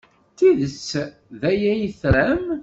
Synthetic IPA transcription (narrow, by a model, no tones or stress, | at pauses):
t̪iðəs | ðæjæjəθɾæm